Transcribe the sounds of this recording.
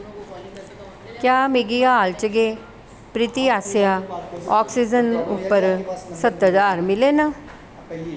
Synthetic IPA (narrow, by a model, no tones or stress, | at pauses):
kjaːmɪɡiaːlt͡ʃəɡeː | pɾɪt̪iːaːsɪjaːɔːksid͡ʒənʊpːəɾsət̪ːd̪aːɾmɪleːna